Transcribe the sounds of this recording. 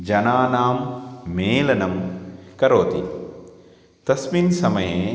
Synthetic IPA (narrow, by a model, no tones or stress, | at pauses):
d͡ʒɐnaːnaːmːeːlɐnɐmkɐɾoːt̪i | t̪ɐsminsɐmɐjeː